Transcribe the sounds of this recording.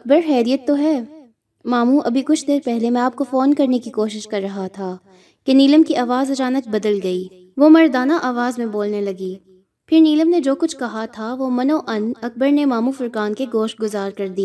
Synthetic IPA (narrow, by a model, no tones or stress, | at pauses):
ɐk̚bəɾɦɛːɾijət̪ːoɦɛː | maːmuʔɐbʱikʊt͡ʃʰd̪eːɾpɛɦlemɛ̃aːp̚kofoːnkɐɾnekikoːʃɪʃkɐɾːɐɦat̪ʰa | keniːləmkiʔaːʋaːzɐt͡ʃaːnək̚bɐd̪əlɡɐiː | ʋomɐɾd̪aːnaʔaːʋaːzmẽboːlnelɐɡiː | pʰɪɾniːləmned͡ʒoːkʊt͡ʃʰkɐɦat̪ʰaʋomɐnoʔɐnɐk̚bəɾnemaːmufʊɾkaːnkeɡoːʃʈ̚ɡʊzaːɾkɐɾd̪iaː